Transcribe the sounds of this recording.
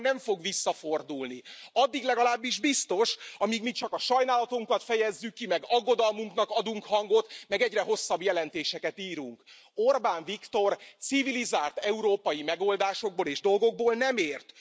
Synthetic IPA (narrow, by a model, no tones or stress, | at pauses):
nɛɱfo̞ɡʋisːɒfo̞rd̪ulniɒd̪ːiɡlɛɡɒlaːbːiʒbist̪o̞ʃɒmiːɡmit͡ʃɒkɒʃɒjnaːlɒt̪uŋkɒt̪fɛjɛzːykːimɛɡɒɡːo̞d̪ɒlmuŋknɒkɒd̪uŋkhɒŋɡo̞t̪mɛɡɛɟrɛɦo̞sːɒbjɛlɛnt̪eːʃɛkɛt̪iːɾuŋk | orbaːɱvikt̪o̞rt̪sivilizaːlt̪ɛuɾoːpɒjimɛɡo̞ld̪aːʃo̞ɡ̚boleːʒd̪o̞lɡo̞ɡ̚boːlnɛmeːrt̪